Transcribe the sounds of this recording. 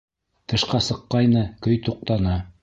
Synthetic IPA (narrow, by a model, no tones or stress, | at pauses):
t̪ɤ̆ʃqɑsɤ̆qːɑjnɤkɵjt̪uq̚t̪ɑnɑ